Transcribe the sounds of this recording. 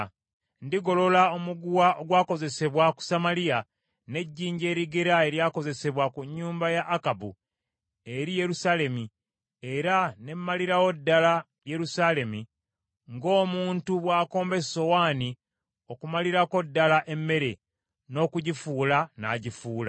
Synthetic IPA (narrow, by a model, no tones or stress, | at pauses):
ndiɡo̞lo̞laomuɡuwaʔo̞ɡwaːko̞ze̞se̞βwaku̥samalija | ne̞ɟːiːɲɟe̞ːɾiɡeɾae̞ɾjaːko̞ze̞se̞βwakuɲːuːmbajaʔːkabu | e̞ɾije̞ɾusale̞mi | e̞ɾane̞mːaliɾawo̞dːala | je̞ɾusale̞mi | ŋɡo̞ːmuːntuβwaːko̞ːmbe̞so̞waːni | o̞kumaliɾako̞dːalaʔe̞mːe̞ɾe̞ | no̞ːkuɟifuːlana̰ːɟifuːla̰